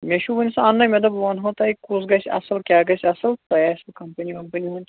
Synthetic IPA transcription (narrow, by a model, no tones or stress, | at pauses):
mʲeʃubɐnʲisɐɐnːɐmʲɐd̪ɐbʋɐnɦɐ̃t̪ɐikus̬ɡɐsʲɐ̰sɐlkʲaːɡɐsʲɐsɐlt̪ɐjaːskɐmpɐnʲikɐmpɐnʲiɦũnʲ